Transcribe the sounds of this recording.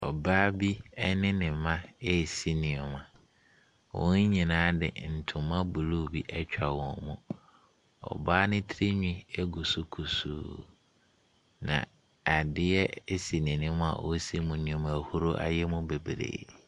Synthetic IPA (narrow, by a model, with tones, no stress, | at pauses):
ɔ˨baː˦bi˦ɛ˦nɪ̃˦nɪ̃˨mã˦e˦˨si˦nĩ˨ɔ˨mã˨ | wɔ̰̃˦ɲ˦ɲĩ˨nãː˨˦dɪ̰˨n̩˨tʰʊ̃˨mã˦bu˨lu˦˨bi˦ʔɛ˦t͡ɕᶣa˨wɔ̃˨nmũ˦ | ɔ̰˨baː˦nɪ̃˦tʰɾe˦ɲᶣĩ˦ɛ˦ɡu˨su˦kʰu˨sṵː˦ | nã̰˨ | a˨dɪ˦ɛ˦si˨nɪ̃˨nɪ̃˦mʊ̃˦a̰˨wʔɔ˦si˦mũ˨nĩ˨õ˨mã˨hu˦ɾo˦ʔa̰˨jɛ˦mũ˦be˨bɾḛː˨